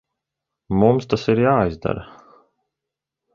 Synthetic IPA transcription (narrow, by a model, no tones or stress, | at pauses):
mumst̪asiɾjaːizd̪a̰ɾ